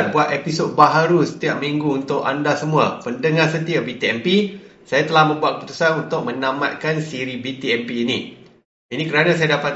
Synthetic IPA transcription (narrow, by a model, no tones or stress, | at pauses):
t̪̚buat̪̚episod̚baɦaɾusə̥t̪iaʔ̚miŋɡuːnt̪ʊka̰ndasəmũapəndəŋahsənt̪iabit̪iɛmpisajat̪əlahmə̃mbuat̪̚kəpu̥t̪u̥sanunt̪ʊk̚mə̃nãma̰t̪̚kansiɾibit̪iɛmpiːnḭ | inĩkəɾanãs̬ajadapat̪̚